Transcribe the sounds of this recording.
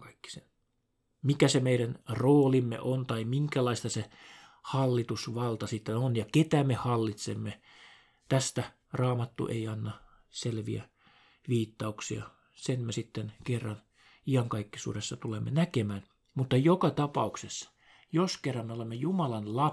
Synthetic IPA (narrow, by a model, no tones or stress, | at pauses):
kɑikːi̥sen | mikæsemeiɾænroːlimːḛʔont̪ɑimiŋkælɑist̪ɑsehɑlːit̪usʋɑlt̪ɑsit̪ːenonjɑket̪æmehɑlːit̪sḛmːe | t̪æst̪æ | rɑːmɑt̪ːṵʔḛiɑnːɑ | selʋḭæ̰ | ʋiːt̪ːɑuksiɑ̰ | senmesit̪ːenkerːɑn | iɑŋkɑikːisṵːɾesːɑt̪ulemːenækemæːn | mut̪ːɑjokɑt̪ɑpɑuksesːɑ̥ | joskerːɑmmeolemːejumɑlɑnlɑ